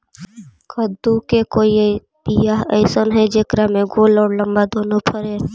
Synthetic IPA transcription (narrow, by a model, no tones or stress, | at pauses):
kʰəd̪ːukekoːi | pijaɦəɪsənɦɛd͡ʒekɾamẽɡoːlɔːɾlə̃mbad̪oːnopʰəɾeː